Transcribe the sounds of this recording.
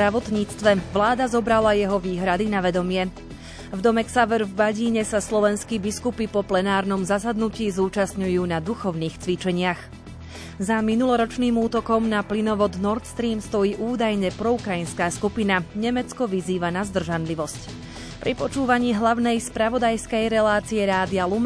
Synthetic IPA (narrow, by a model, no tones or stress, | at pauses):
ɾaʋɔt̪ɲiːt͡st̪ʋɛʋlaːd̪azɔbɾalajɛɦɔʋiːɦɾad̪inaʋɛd̪ɔmɪɛ | vd̪ɔmɛksaʋɛɾvbaɟiːɲɛsaslɔʋɛnskiːbiskupipɔplɛnaːɾnɔmzasad̪nuciːzuːt͡ʃasɲujuːnad̪uxɔʊniːxt͡sʋit͡ʃɛɲɪax | zaminulɔɾɔt͡ʃniːmuːt̪ɔkɔmnaplinɔʋɔd̪nɔɾt̪st̪ɾiːmst̪ɔjiːʔuːd̪ajɲɛpɾɔukɾajinskaːskupinaɲɛmɛt͡skɔʋiziːʋanazd̪r̩ʒanliʋɔsc | pɾʔipɔt͡ʃuːʋaɲiːɦlaʊnɛjspɾaʋɔd̪ajskɛjɾɛlaːt͡siɛɾaːd̪ialum